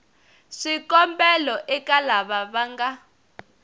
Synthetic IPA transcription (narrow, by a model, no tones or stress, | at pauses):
ʂikʼɔmbɛlɔʔɛkalaβaβaŋɡa